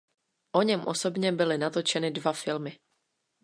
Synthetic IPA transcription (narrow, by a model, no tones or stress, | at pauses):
ʔo̞ɲɛmʔoso̞bɲɛbɪlɪnat̪o̞t͡ʃɛnɪdvafɪlmɪ